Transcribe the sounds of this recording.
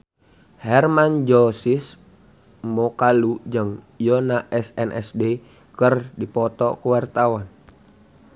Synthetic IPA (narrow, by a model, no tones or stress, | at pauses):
hɛrmand͡ʒɔsis | mɔkalud͡ʒəŋ | jɔnaʔɛsɛnʔɛ̰sde | kərdipɔt̪ɔ̰kuwart̪awan